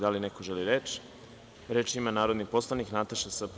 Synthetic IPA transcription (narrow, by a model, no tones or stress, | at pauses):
d̪alineko̞ʒeliɾeːt͡ʃ | ɾe̞ːt͡ʃimanaːɾod̪nipo̞slˠaniknat̪aʃasp